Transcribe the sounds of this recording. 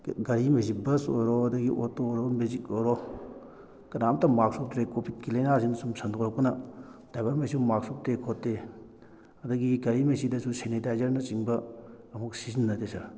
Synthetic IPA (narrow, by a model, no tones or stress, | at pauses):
ɡɐɾimezibɐso̰jɾoɐdɐɡiʔotooɾomezikojɾo | kɐnamtɐmaksup̚tɾekopʰit̚kilejnasinsumsɐnd̪ukɾɐkunɐd̥abɐɾmesiumak̚sup̚tekʰotːe | ɐdɐɡiɡɐɾimesidɐsʰusenidajzɐɾnɐt͡ʃiŋbɐː | muk̚sizinːɐt̪esɐɾ